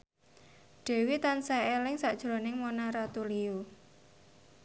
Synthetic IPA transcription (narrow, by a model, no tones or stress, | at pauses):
ɖ̥e̤wit̪ansaelɪŋsaʔd̥ʒ̥ɾo̤nɪŋmonaɾat̪uliu